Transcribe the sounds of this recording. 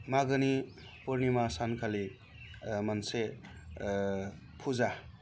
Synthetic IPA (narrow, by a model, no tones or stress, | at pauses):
maɡəni | puɾnimasankʰali | mʌnse | pʰuza